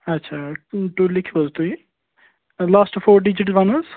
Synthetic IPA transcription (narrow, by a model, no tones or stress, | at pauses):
ɐtːʃʰaːʈuːlɪkʰʋəzt̪ui | laːsʈfʰoːɾɖɪd͡ʒɪʈʋɐnəz